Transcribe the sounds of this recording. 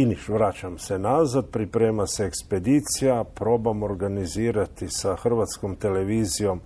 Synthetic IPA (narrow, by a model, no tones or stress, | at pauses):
iniʃʋɾaːt͡ʃamsenazat̪̚pɾipɾeːmaseekspe̞d̪iːt̪sijapɾo̞ːbamoɾɡaniziːɾat̪isaxr̩ʋat̪skomt̪e̞leʋiːzijo̞m